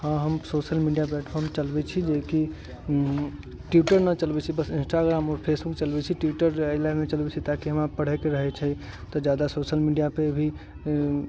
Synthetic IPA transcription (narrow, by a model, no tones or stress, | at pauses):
hãɦəmsosəlmiɖijaplɛʈpʰɔɾmt͡ʃəlbɛt͡ʃʰid͡ʒeki | ʈjuʈəɾnət͡ʃəlbɛt͡ʃʰibəsinsʈaɡɾaːmɔːɾpʰesbukt͡ʃəlbɛt͡ʃʰiʈjiʈəɾəɪlanet͡ʃəlbɛt͡ʃʰit̪akiɦəmapəɽ̤ɛkeɾəɦɛt͡ʃʰɛ | t̪ɔd͡ʒad̪asosəlmiɖijapeəbʱi